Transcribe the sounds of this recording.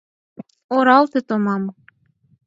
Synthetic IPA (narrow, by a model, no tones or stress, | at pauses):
oɾɑlˠt̪ĕt̪omɑm